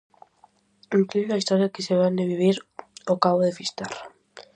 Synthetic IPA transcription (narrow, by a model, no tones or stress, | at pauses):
eŋklielaist̪oɾjakeseβand̪eβiβ̞iɾokaβoðefist̪ar